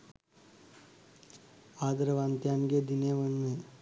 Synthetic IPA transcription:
aːd̪ɐɾɐʋaːnt̪janɡeːd̪ineʋɐnːe

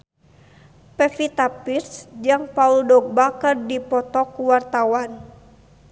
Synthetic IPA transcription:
pɛfit̪apirsd͡ʒaŋpauldɔɡ̚bakərdipɔt̪ɔkuwart̪awan

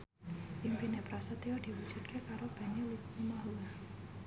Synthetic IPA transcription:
ʔimpinepɾasət̪iɔd̪̥i̤wud̥d͡ʒ̥ut̪̚kʰekaɾob̥a̤neliumaɦua

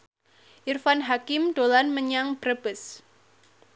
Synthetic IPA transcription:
ʔirfanɦakɪmd̪̥olanməɲaŋb̥ɾəb̥əs

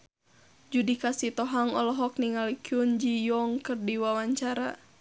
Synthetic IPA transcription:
d͡ʒudikasit̪ɔɦaŋɔlɔɦɔk̚niŋalikiund͡ʒijɔŋkɨrdiwawaɲt͡ʃaɾa̰

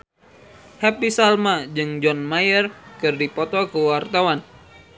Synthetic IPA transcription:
hɛp̚isalmad͡ʒɨŋd͡ʒɔnmajərkɨrdipɔt̪ɔkəwart̪awan

